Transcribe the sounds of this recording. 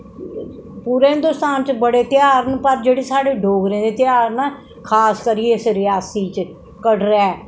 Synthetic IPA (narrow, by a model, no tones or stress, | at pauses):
puːɾeːɦɪnd̪ʊst̪aːnt͡ʃbəɽeːt̪ɪjaːɾənpəɾd͡ʒeːɽeːsaːɽeːɖʱoːɡɾẽːd̪eːt̪jaːɾnaː | kʰaːskəɾieɪsɾɪjaːsiːt͡ʃ | kəɖɾɛɛː